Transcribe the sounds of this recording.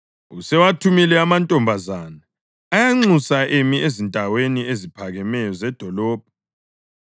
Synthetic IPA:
usɛwatʰumilɛamantʼɔmbʱazaːnaː | jaŋ͡ǀusaʔemiezintʼaweniezipʰaɣɛmɛjɔzɛd̥ʱɔlɔːb̥̚ʱɔ

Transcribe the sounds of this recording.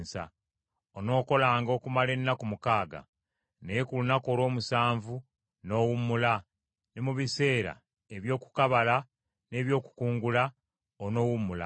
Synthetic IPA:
sa̰ | ono̞ːko̞laːŋɡo̞kumale̞nːakumukaːɡa̰ | nejekulunako̞ɾo̞ːmusaːɱvu | no̞ːwumula | nemuβise̞ːɾa̰ | eβjo̞ːku̥kaβala | ne̞ːβjo̞ːku̥kuːŋɡula | ono̞ːwumula̰

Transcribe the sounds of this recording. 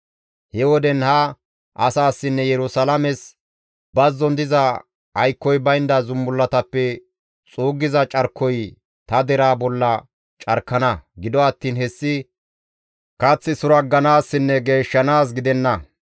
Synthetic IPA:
hɛwɔd̪ɛnhɐ | ʔɐsaːsːɪnːɛjɛɾʊsɐlɐmɛs | bɐzːɔnd̪ɪzɐ | ɐjkːɔjbɐjnd̪ɐzʊmːʊlːɐt̪ɐpːɛ | t͡sʼuːɡɪzɐt͡ʃʼɐɾkʰːɔj | t̪ɐd̪ɛɾaːbɔlːɐ | t͡ʃʼɐɾkːɐnɐɡɪd̪ɔɐt̪ːiːnhɛsːɪ | kɐt͡sːɪsʊɾɐɡːɐnaːsːɪnːɛɡeːʃːɐnaːs̬ɡɪd̪ɛnːɐ

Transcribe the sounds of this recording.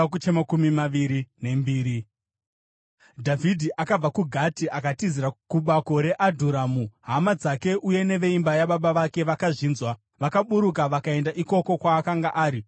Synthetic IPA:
kut͡ʃemakumimaʋiɾine̞mbiːɾi | dʱavʱidʱiʔakab͡vakuɡʱatiʔakatiziɾakuɓako̞ɾe̞ʔadʱuɾamuɦamad͡zake̞ʔuje̞ne̞ʋe̞imbajaɓaɓaʋake̞ʋakaʐiːnzwa | ʋakaɓuɾuk̬aʋakae̞ndaʔiko̞ko̞kwaːkaŋɡaʔaːɾi

